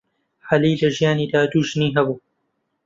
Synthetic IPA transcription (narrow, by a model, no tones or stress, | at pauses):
ħɐliːlɐʒijaːniːd̪aːd̪uːʒniːɦɐbuː